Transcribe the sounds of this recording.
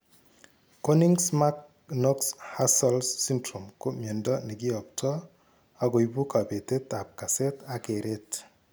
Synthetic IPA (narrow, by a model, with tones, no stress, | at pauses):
ko˦ni˦ŋsma˦k̚ | nɔ˦ksha˦sɔ˦lsːi˦ndɾo˨mko˦mje˨ndɔ˦ni˨ɡɪ˦ɔ˨p̚tʰɔ˦ | a˦ɡo˨i˨bu˦ka˨be˨te˦ta˨p̚ka˨se˦ta˨ke˨ɾʔɪ˦t